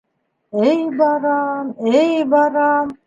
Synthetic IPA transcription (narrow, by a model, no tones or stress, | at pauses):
ejbɑɾɑmejbɑɾɑm